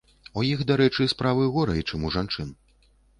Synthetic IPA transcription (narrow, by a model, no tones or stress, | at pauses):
ujixd̪aɾɛt͡ʂɨspɾavɨɣɔɾɐit͡ʂɨmuʐant͡ʂɨn